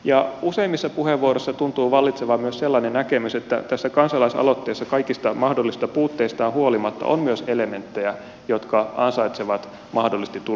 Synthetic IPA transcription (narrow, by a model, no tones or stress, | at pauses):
jɑuseimːisːɑpuheʋːuorosːɑt̪unt̪uːʋɑlːit̪seʋɑmyøsselːɑːnenækemyset̪ːæ̰t̪æsːækɑnsɑlɑisɑ̰lot̪ːeisːɑkɑikist̪ɑmɑhdolːist̪ɑpuːt̪ːeist̪ɑːnhuolimɑt̪ːɑ̰ʔo̰mmyøselement̪ːejæ | jot̪kɑɑnsɑit̪seʋɑt̪ | mɑhdolːist̪it̪ːu